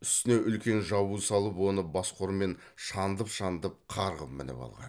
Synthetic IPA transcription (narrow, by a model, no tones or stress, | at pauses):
ʏst̪ɪne̞ʔʏlkʲe̞nʒɑβusɑlˠəpwo̞nəbɑsqʰo̞ɾme̞n | ʃɑnd̪əpʃɑnd̪əp̚qʰɑɾʁəp̚mɪ̰nɪ̰pɑ̰lˠʁɑ̰n